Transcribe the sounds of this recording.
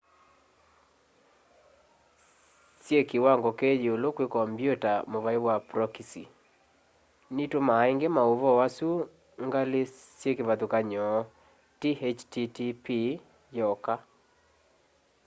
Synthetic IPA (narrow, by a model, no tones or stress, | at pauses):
sjekewaŋɡɔkɛd͡ʒiolokwekɔmbjotamoβaiwapɾɔkisḭ | nitomaeŋɡemaoβɔwasu | ŋɡalesjekeβaðukaɲɔ | tihet͡ʃtitipi | jɔka